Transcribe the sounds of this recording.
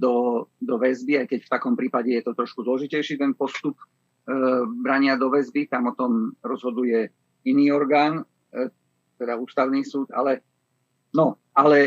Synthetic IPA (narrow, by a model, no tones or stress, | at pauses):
d̪ɔd̪ɔʋɛzbiajkɛcft̪akɔmpɾiːpaɟɛjɛt̪ɔt̪ɾɔʃkuzlɔʒicɛjʃiːt̪ɛnpɔst̪up | bɾaɲɪad̪ɔʋɛzbit̪amɔt̪ɔmɾɔzɦɔd̪ujɛ | iniːɔɾɡaːn | t̪ɛd̪auːst̪aʊniːsuːt̪a̰lɛ | nɔ | alɛ